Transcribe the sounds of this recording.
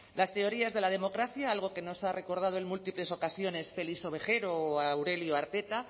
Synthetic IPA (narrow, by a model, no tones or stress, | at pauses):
last̪e̞o̞ɾiazðe̞lað̞e̞mo̞kɾaθjaalɣ̞o̞ke̞no̞sare̞ko̞ɾð̞að̞o̞enmult̪iple̞so̞kasjo̞ne̞sfe̞liso̞βe̞xe̞ɾoawɾe̞ljoaɾt̪e̞t̪a